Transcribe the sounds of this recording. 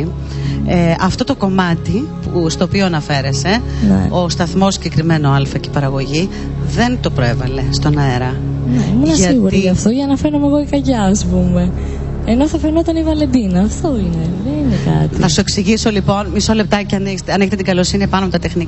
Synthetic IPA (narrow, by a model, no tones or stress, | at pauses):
eɐft̪o̞t̪o̞ko̞mɐt̪ipust̪oːpioɐnɐfe̞ɾe̞se̞nḛost̪ɐθmo̞siɟekɾime̞no̞ɐlfɐce̥pɐɾɐɣo̞ʝi | ðe̞nt̪o̞pɾoe̞vɐle̞st̪o̞nɐeɾɐneimunɐsʝɐiɣuɾiɐft̪oʝɐnɐfeɾnomeɣoikɐʝɐːspume̞ | eno̞θɐfenoot̪ɐnivɐle̞nd̪inɐːft̪o̞ine̞ðeninekɐ̰t̪iθθɐsueksiʝiso̞lipo̞nmisole̞p̚t̪ɐceɐneçst̪eɐneçet̪et̪iɡɐlo̞siniɐpɐnopot̪ɐt̪e̞xni